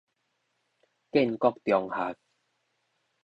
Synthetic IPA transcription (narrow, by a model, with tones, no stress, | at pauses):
ke˥˨nkɔ˥˧k̚t̪jɔ˨˩ŋhaː˨˦k̚